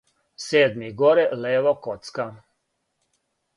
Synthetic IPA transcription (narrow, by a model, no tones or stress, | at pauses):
seːd̪miɡoɾɛleːʋɔkot̪ska